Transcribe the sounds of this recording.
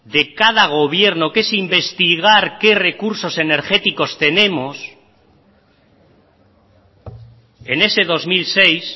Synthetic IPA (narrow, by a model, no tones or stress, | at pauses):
d̪e̞kað̞aɣ̞o̞β̞je̞ɾno̞kesimbe̞st̪iɣaɾke̞re̞kuɾso̞se̞ne̞ɾxe̞t̪iko̞st̪e̞nẽ̞mo̞s | e̞ne̞se̞ðo̞zmilse̞js